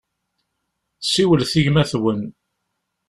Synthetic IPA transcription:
θsiwəlθiʝmæθwən

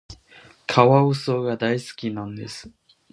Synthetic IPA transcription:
kʰaβaɯ̟so̞ːɡad̪aisɨ̥kʲinãnd̪e̞sɨ̥

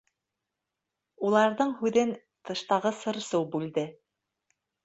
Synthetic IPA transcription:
ulˠɑɾðɤɴhʉðɘn | t̪ɤ̆ʃt̪ɑʁɤsɤ̆ɾsɤwbʉld̪ɘ

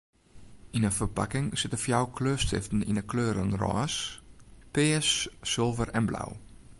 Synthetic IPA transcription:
inəfərpakɪŋsɪtəfjawkʰløstɪ̰ftn̩ḭnəkʰløːɾənrɔ̰ːs | pɪəsːɪlˠvərɛnbla̰w

